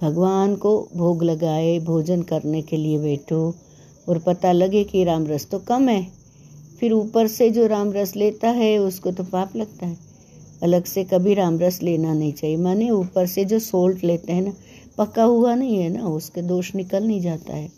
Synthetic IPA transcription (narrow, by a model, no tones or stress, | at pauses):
bʱɐɡʋaːnkobʱoːɡlɐɡaːebʱoːd͡ʒənkɐɾnekeliebɛːʈʰo | ɔːɾpɐt̪alɐɡekiɾãːmɾəst̪okɐmɦɛː | fɪɾuːpəɾsed͡ʒoːɾaːmɾəsleːt̪aɦɛʊskot̪opaːplɐɡ̚t̪aɦɛː | ɐləɡsekɐbʱiɾaːmɾəsleːnanɐɦĩt͡ʃaːɦiemaːneuːpəɾsed͡ʒoːsoːlʈleːt̪eɦɛ̃na | pɐkaɦuanɐɦĩɦɛnaʊsked̪oːʃnɪkəlnɐɦĩd͡ʒaːt̪a̰ɦɛː